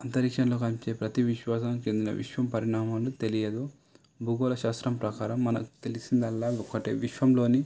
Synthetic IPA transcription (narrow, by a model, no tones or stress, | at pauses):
ɐnt̪ɐɾikʂɐnlo̞ːk̬ɐnpit͡ʃe̞ːpɾɐt̪iʋiʃʋaːs̬ɐnt͡ʃe̞nd̪inɐ̰ʋḭʃʋɐmpɐɾiɳaːmaːlut̪e̞lijɐd̪u | bʱuːɡoːlɐʃaːst̪ɾɐmpɾɐkaːɾɐmːɐnɐku̥t̪e̞lisind̪ɐlːaːɔkɐʈḛːʋiʃʋɐmlo̞ːni